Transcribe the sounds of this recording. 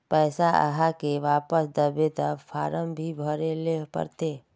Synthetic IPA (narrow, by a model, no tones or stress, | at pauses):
pɛːsaʔə̰ɦakeʋaːpəsd̪əbet̪əfʰaːɾəmbʱibʱəɾelepə̰ɾt̪eː